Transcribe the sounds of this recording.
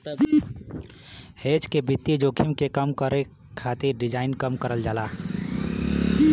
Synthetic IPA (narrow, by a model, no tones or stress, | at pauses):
hed͡ʒkebit̪ːid͡ʒoːkʰimkekəmkəɾe | kʰat̪iɾɖid͡ʒaːɪnkəmkəɾəld͡ʒaːla